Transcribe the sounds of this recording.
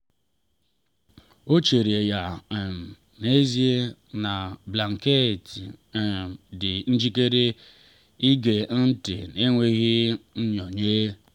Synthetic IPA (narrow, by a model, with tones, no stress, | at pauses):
o˦t͡ʃe˨ɾi˨e˨ja˨ | ne˦zi˦e˦na˨bla˨ŋ̩˨ke˦˨t | dɪ˨n̩˦d͡ʒi˦ke˦ɾe˦ | i˦ɡe˨n̩˦tɪ̰˨ne˦ŋʷe˦ɣɪ˦n̩˦ɲɔ˨ɲeː˦